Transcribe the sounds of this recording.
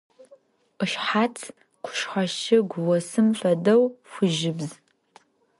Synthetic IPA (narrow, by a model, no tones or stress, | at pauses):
qɨʃħat͡sʰ | qʷʰʊ̥ʃħʷaʃɪɡʷʊwɐsɨmɬʷɐdɐwfʷʊʒɪbz